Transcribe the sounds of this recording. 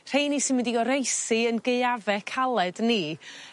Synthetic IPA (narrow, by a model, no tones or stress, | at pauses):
r̥ejnisɪnwɪndiɡɔɾejsiənɡejavɛkʰalˠɛdni